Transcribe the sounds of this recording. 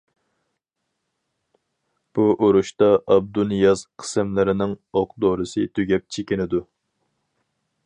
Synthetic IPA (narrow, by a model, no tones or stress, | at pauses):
b̥uʔoɾuʃt̪ɑʔɑb̚d̪unɨjɑz̥qʰə̥sɪmlɪɾɪnɪŋoqd̪oɾɨsɨt̪ʰyɡʲɛp̚t͡ʃʰekʲinɪd̪u